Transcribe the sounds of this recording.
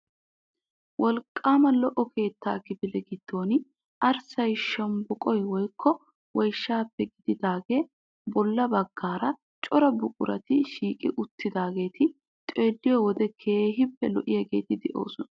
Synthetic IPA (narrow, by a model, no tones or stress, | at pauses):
wʔɔlkʼːaːmɐlɔʔɔkʰe̞ːt̪ːaːkɪbɪlɛɡɪd̪̥ːo̞ːnɪ | ʔɐɾsɐjʃɐmbʊkʼɔjwɔjkːɔ | wɔjʃːaːpːɛɡɪd̪ɪd̪aːɡe̞ː | bɔlːɐbɐɡːaːɾɐ | t͡ʃʼɔɾɐbʊkʼʊɾɐ̰t̪ɪʃiːkʼɪ̰ʔʊt̪ʰːɪd̪aːɡe̞ːt̪ʰɪ | t͡ʃʼe̞ːlːɪjɔwɔd̪ɛkʰe̞ːɦɪpːɛlɔʔɪjɐɡe̞̰ːt̪ɪd̪ɛʔo̞̰ːsɔnɐ